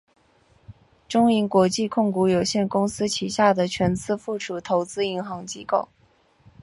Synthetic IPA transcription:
ʈ͡ʂʊ˥ŋi˧˥nkwɔ˧˥t͡ɕi˥˧kʰʊ˥˩ŋku˧˥jo˨˩ʊɕjɛ˥˩nkʊ˥ŋsɹ̩˥t͡ɕʰi˨˩ɕja˥˩d̪ə˩t͡ɕʰɥɛ˧˥nt͡sɹ̩˥fu˥˩ʈ͡ʂʰu˨˩t̪ʰo˧˥ʊt͡sɹ̩˥i˧˥ŋxɑ˧˥ŋt͡ɕi˥ko̰˥˩ʊ

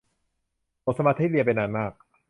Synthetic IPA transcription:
ʔo˨˩t̪̚sa˧maː˧˥t̪ʰːiː˥li˧əp̬a˧jnaː˧nmaː˥˩k̚

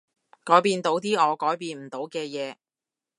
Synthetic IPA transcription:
kɔː˨˥jpiː˧nt̪o˨˥wt̪iː˥ɔː˨˧kɔː˨˥jpiː˧nm̩˨˩t̪o˨˧˥wkɛː˧jɛː˨˧

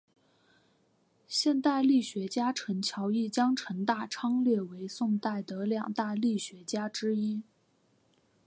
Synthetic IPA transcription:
ɕjɛ˥˧nt̪a˥˧ɪli˥˩ɕɥɛ˧˥t͡ɕja˥ʈ͡ʂʰə˧˥ŋt͡ɕʰjɑ˧˥ʊi˥˩t͡ɕjɑ˥ŋʈ͡ʂʰə˧˥ŋt̪a˥˩ʈ͡ʂʰɑ˥ŋljɛ˥˩we˧˥ɪsʊ˥˧ŋt̪a˥˩ɪd̪ə˩ljɑ˨˩ŋt̪a˥˧li˥˩ɕɥɛ˧˥t͡ɕja˥ʈ͡ʂɻ̩˥i˥

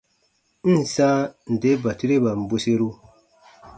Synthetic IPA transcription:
n̩˦˨sa˦n̩˨de˦ba˨ti˦ɾe˦ba˨m̩˨bo˦se˦ɾu˦

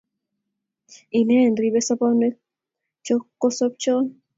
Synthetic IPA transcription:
i˨ne˦˨nɾi˧βe˦sa˦po˦ne˦ | t͡ʃo˦kːo˦so˦p̚t͡ʃo˦n

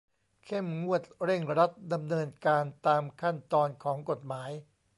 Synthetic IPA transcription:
kʰe˥˩mŋu˥˩ət̪̚ɾe˥˩ŋɾa˦˥t̪̚da˧mnɤː˧nkaː˧nt̪aː˧mkʰa˥˩nt̪ɔː˧nkʰɔː˩˦ŋko˨˩t̪̚maː˩˦j

